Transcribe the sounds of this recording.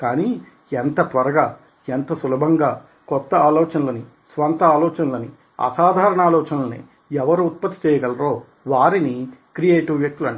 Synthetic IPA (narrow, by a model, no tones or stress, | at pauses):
kaːniː | ent̪ɐt̪ʋɐɾɐɡaː | ent̪ɐsulɐbʱɐŋɡaː | kɔt̪ːɐaːlɔːt͡ʃɐnɐlɐni | sʋɐnt̪ɐaːlɔːt͡ʃɐnɐlɐni | ɐ̰saːd̪ʱaːɾɐɳaːlɔːt͡ʃɐnɐlɐnḭ | ɛʋɐɾuːt̪̚pɐt̪ːi̥t͡ʃɛːjɐɡɐlɐɾo̞ː | ʋaːɾinikɾijeːʈuʋʋjɐk̚t̪ulɐɳ